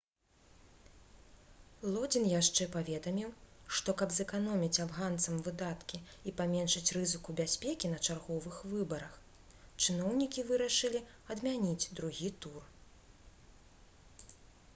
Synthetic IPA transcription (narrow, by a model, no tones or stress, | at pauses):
lˠɔd͡zʲinjaʂt͡ʂɛpavʲɛd̪ɐmʲiwʂt̪ɔkɐbzɛkanɔmʲit͡sʲabɣant̪sɐmvɨd̪at̪kʲiipamʲɛnʂɐt͡sʲrɨzɨkubʲasʲpʲekʲinɐt͡ʂarɣɔvɨxvɨbɐɾɐx | t͡ʂɨnɔwnʲikʲivɨɾɐʂɨlʲi | ɐd̪mʲanʲid͡zʲd̪ɾuɣʲit̪ur